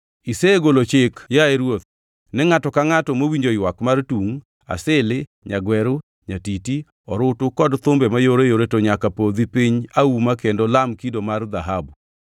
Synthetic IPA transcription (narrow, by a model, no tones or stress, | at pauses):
iseɡolot͡ʃɪkjaeɾwot̪̚ | nɛŋatɔkaŋatɔmowiɲd͡ʒojwakmartuŋ | a̰sɪlɪ | ɲaɡwɛɾʊ | ɲatiti | ɔɾʊtʊkɔdt̪ʊmbɛmajoɾejoɾetoɲakapod̪ipiɲaumakendɔlamkidomard̪aɦabu